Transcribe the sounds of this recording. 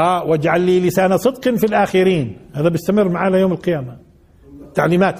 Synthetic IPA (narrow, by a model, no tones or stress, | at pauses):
ʔaːwɪd͡ʒʕalːiːlɪsaːnasˤɨd̪qɑnfilʔaːxɪɾiːnhaːðabɪst̪amɪrːmaʕaːlajoːmɪlqɪjaːma | t̪ːaʕliːmaːt̪